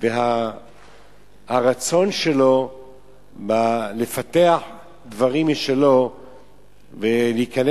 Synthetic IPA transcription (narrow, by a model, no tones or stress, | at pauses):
veɦa | haʁat͡so̞nʃe̞lo̞ | balefat̪eaħ | d̪vaʁimʃelo̞ | veleikan